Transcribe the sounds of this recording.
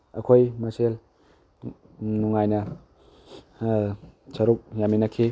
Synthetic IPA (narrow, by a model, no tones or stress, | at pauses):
ɐ̰kʰojmɐsel | nuŋajnɐ | sɐɾuk̚jaminɐkʰi